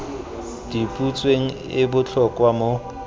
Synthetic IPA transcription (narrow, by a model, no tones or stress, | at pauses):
d̥ipʼut͡sʼweŋ̩ | ɪbʊt͡ɬʰɔkʼwamo